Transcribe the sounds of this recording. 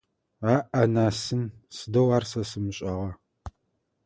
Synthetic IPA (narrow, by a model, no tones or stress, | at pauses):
aːʔɐnaːsɨnsɨdɐwaːrsɐsɨmɨɕʼɐʁɐ